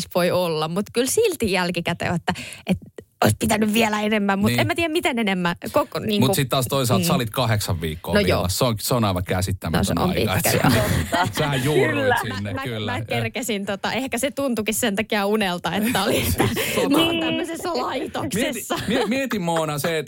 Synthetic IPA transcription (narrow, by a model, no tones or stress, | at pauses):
sʋoiolːɑmmut̪kylsilt̪ijælkikæt̪ḛʋɑt̪ːæʔet̪oispit̪ænyʋʋielæenemːæmmuemæt̪iːæmmit̪enenemːækokniːŋmutkusit̪t̪ɑːst̪oisɑlt̪sɑlit̪kɑheksɑʋʋḭːkːo̰noijo̰ːɑ̰sseoŋseonɑiʋɑkæsit̪ːæmːn̰sḛo̰iḭkɑek̪ː | seæjuːæsimænːmæylːmækerkesint̪ot̪ɑʔehkæset̪unt̪ukissent̪ɑkiɑunelt̪ɑḛt̪ːæoliet̪ːæsomt̪æmːøsesːɑlɑit̪okssesːɑmimiet̪immoːnɑse